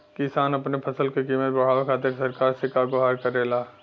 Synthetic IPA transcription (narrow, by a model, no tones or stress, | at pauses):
kɪsaːnɐpnepʰɐsəlkekiːmət̪̚bɐɽ̤aːʋakʰaːt̪̬eɾsɐɾkaːɾsekaɡoɦaːɾkɐɾeːlaː